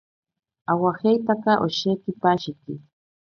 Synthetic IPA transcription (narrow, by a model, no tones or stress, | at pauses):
awahajt̪akɑʔoʃekɪpaʃɪkɪ